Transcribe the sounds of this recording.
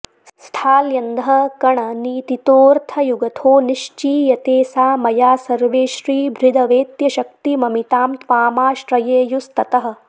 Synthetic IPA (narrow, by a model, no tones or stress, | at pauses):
sst̪ʰaːljɐnd̪ʱɦɐ̆kɐɳɐniːt̪it̪oːɾt̪ʰɐjuɡɐt̪ʰoːniʃt͡ʃiːjɐt̪eːsaːmɐjaːsɐɾʋeːʃɾiːbʱɾid̪ʱɐʋeːt̪jɐʃɐk̚t̪imɐmit̪aːmt̪ʋaːmaːʃɾɐjeːjust̪ɐt̪ɐɦɐ̆